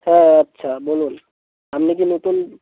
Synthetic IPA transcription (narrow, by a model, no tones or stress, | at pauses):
hɛ̃ətːʃʰabolun | amnik̬inot̪ul